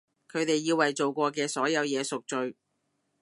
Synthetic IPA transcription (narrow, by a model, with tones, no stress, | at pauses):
kʰɵ˨˧ɥt̪e˨jːiː˧wɐ˨jt͡so˨wkʷɔː˧kɛː˧sɔː˨˥jɐ˨˧wjɛː˨˧sʊ˨k̚t͡ʃɵ˨ɥ